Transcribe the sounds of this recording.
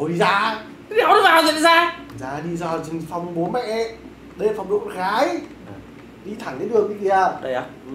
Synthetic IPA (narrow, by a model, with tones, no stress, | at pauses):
o˨˧˩ɗi˧zaː˧˦ | ɗa̰˧˥wn˨˦vaː˨˩wzə̰˧˨nzaː˧˨zaː˧ɗi˧zɔ˧˩t͡ɕɨ˧ŋfa˧˩wŋ͡mɓo˨˦nmɛ̰˧˨ʔ | ɗə˧fa˨˧wŋ͡mɗo̰˧˨ɣaː˨˦j | ɗi˧t̪ʰa˧˩ŋka˨˦ɗɨ˨˩əŋi˧˨zi˧˨aː˧˩ə˧ja˨˧˦